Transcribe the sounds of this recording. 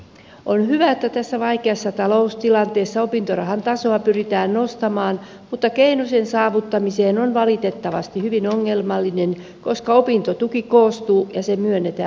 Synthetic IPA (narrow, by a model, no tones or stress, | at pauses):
onhyʋæet̪ːæt̪æsːæʋɑikeɑsːɑt̪ɑlo̞ust̪ilɑnt̪eːsːɑopint̪oɾɑɦɑnt̪ɑsoɑpyrit̪æːnnost̪ɑmɑːn | mut̪ːɑkeinosensɑːʋut̪ːɑmiseːnonʋɑlit̪e̞t̪ːɑʋɑst̪ihyʋinoŋːe̞lmɑlːinen | ko̞skɑopint̪ot̪ukikoːst̪uːjɑsemyønːet̪æ